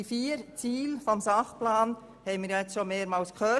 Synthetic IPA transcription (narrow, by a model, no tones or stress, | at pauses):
ifiːɾt͡siːlfɔmsɑχplɑːn | hɛɪmiːɾjaɛt͡sʃomeːɾmɑːlskχœ